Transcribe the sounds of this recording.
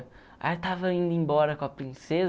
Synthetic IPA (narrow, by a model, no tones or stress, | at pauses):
a̰t̪avɐɐĩnd̪ɐẽmbɔɾɐkõɐpɾĩsez